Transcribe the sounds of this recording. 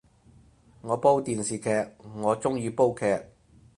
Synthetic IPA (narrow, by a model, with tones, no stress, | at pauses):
ŋɔː˨˧po˥wt̪iː˨nsiː˨˩kʰɛː˧k̚ŋɔː˨˧t͡sʊ˥ŋjyː˨˧po˥wkʰɛː˧k̚